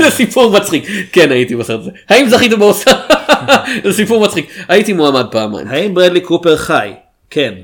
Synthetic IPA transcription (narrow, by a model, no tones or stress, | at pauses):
zesipʰuʁmat͡sχikːenait̪ibaset̪azehaimzaχit̪̬ebeosa | zesipuʁmat͡sχikaitimuamad̪̚paːmːa̰j̰mhaimbʁed̪likupeʁχaj | kʰen